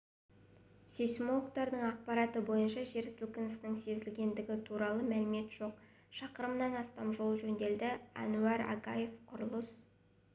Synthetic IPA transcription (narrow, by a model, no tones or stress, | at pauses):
sesmo̞lˠkt̪ɑɾd̪əɴɑq̚pɑɾɑt̪əbo̞jənʃɑʒe̞ɾsɪlkʲɪnɪsɪnɪŋse̞zɪlɡʲe̞nd̪ɪɡʲɪt̪ʰuɾɑlˠəmælɪme̞t̪ʒ̥o̞q̚ | ʃɑqəɾəmnɑnɑst̪ɑmʒo̞lˠʒɵnd̪e̞ld̪ɪɑ̰nuɑɾɑ̰ɡɑje̞fqʰʊɾlˠəs